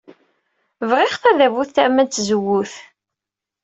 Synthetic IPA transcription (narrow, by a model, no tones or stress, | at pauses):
vʁɪχθæðævuθθæmænt͡s̪ːzəwːʊθ